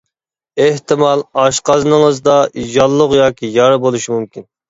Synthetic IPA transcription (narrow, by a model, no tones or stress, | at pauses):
eht̪ɨmɑlˠɑʃqɑzɨnəŋəzd̪ɑjɑlˠːʊqjɑːkʲʰijɑɾbolˠuʃimumkʲin